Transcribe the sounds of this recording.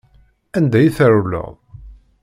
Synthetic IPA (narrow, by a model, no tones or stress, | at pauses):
ænd̪æjiθəɾulə̰ʁˤ